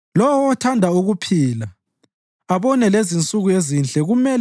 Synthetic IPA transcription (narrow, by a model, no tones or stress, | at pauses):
lɔwɔːtʰandʱauɣupʰiːla | aβɔnɛlezint͡sʼuɣujezint͡ɬʼɛɣumɛl